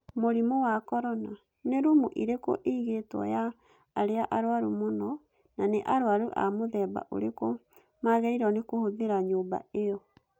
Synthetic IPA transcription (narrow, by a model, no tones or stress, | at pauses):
moɾimowakɔɾɔna | neɾumuʔiɾeko̰ʔeiɣetwɔ̰jaː | ɾeaʔaɾwaɾumonɔ | naneʔaɾoaɾuʔa̰moðɛːba̰ʔo̰ɾeko | maɣɛiɾɔnekohoðeɾaɲoːba̰ejɔ